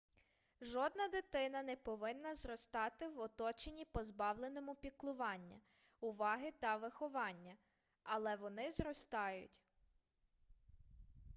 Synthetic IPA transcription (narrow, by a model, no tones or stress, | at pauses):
ʒɔd̪nɐd̪ɪt̪ɪnɐnɛpɔʋɪnːɐzɾɔst̪ɑt̪ɪwɔt̪ɔt͡ʃenʲipɔzbɑwlˠenɔmʊpʲiklˠʊʋɑnʲːɐ | ʊʋɑɦɪt̪ɐʋɪxɔʋɑnʲːɐ | ɐlˠɛʋɔnɪzɾɔst̪ɑjʊ̰tʲ